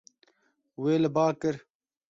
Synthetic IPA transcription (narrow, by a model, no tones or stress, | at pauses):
weːlɐbaːkɐɾ